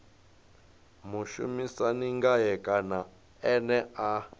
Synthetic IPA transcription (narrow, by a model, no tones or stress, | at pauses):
muʃṵmisaniŋɡajɛkʼana | ɛnɛa